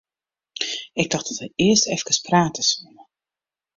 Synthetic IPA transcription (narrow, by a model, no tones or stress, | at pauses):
ɪɡ̚dɑxdɔtəɪəstɛfkəspraːtəsumə